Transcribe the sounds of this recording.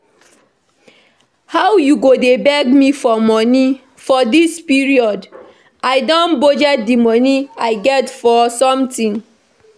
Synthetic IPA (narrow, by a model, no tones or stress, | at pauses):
hawjuɡodebɛɡmifɔmɔni | fɔdispiɹiɔd | aɪdɔ̃nbod͡ʒadimɔniaɪɡɛtfɔsɔ̃mtĩn